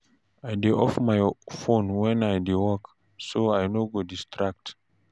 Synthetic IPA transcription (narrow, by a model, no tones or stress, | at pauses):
ajdeʔɔfmajfõnwɛ̃najdewɔk | soajnoɡodistʰɹak̚t